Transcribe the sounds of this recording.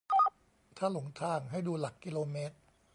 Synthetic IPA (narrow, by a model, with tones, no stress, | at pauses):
t̪ʰaː˥˩lo˩˦ŋt̪ʰaː˧˩ŋɦa˥˩jduː˧la˨˩kːi˧loː˧meː˦˥t̪̚